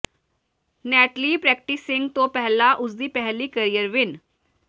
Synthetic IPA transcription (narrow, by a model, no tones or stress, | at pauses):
næʈliːpɾɛk̚ʈisiŋɡt̪opɛɦlaʔud͡zd̪iːpɛɦliːkəɾijəɾʋin